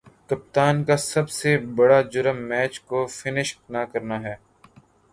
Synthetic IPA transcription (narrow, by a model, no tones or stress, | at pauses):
kɐp̚t̪aːnkasɐbsebɐɽad͡ʒʊɾəmːɛːt͡ʃkofɪnɪʃnakɐɾnaːɦɛː